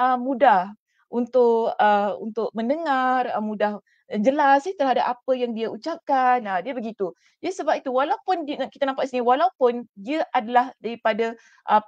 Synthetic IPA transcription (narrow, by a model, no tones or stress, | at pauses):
ʔəmːũdah | unt̪ʊʔəṵnt̪ʊk̚mə̃nəŋarəmudah | ŋd͡ʒəlasɪht̪ərɦadapapəjaŋdiaut͡ʃap̚kanədiəbəɡit̪u | d͡ʒaisəbap̚it̪uwalaupʊndiki̥t̪anampaʔ̪siniwalaupʊndiaʔadalahdaɾipada | ʔə